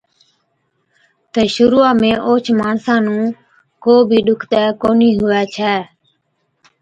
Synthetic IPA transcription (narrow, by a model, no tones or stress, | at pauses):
t̪əːʃʊɾuːãːmẽːʔoːt͡ʃʰmaːnsãːnũː | koːbʱiːɗʊkʰt̪ɛːkoːniːɦʊɛːt͡ʃʰɛː